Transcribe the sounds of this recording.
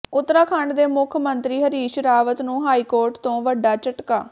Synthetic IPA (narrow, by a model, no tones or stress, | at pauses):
ʊt̪ːɾaːkʰəɳɖd̪eːmʊkʰmənt̪ɾiːɦəɾiːʃɾaːʋət̪nũːɦaːiːkoːɾʈt̪õːʋəɖaːt͡ʃəʈkaː